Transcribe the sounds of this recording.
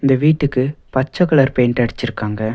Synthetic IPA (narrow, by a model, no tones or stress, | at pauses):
ɪnd̪ɐʋiːʈːɯkːɯpɐt͡ʃːɐkːɐɭɐɾpeːnʈɐɽɪt͡ʃːɪɾɯkːaːŋɡɐ